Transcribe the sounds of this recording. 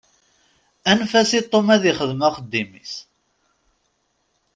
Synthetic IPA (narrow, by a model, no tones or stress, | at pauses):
ænfæsit̪ˤːomæðiχəðmæqəd̪ːimḭs